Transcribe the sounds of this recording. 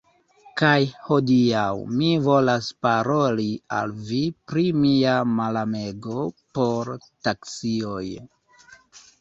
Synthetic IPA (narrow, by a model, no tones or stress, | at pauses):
kajho̞diawmivo̞laspaɾo̞lia̰lvipɾimiamalameɡo̞po̞ɾtaksio̞j